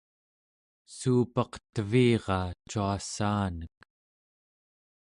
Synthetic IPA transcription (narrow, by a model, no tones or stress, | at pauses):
suːpɑqt̪əviːʁɑt͡ʃuasaːnək̚